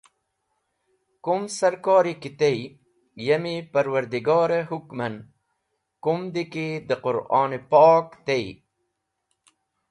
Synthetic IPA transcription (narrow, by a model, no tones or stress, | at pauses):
kumsɐɾkɑːɾikit̪ej | jɐmipɐɾwɐɾd̪iɡɑːɾeɦukmɐn | kumd̪iked̪əqʊɾʔɑ̰ːnepɑːkt̪ej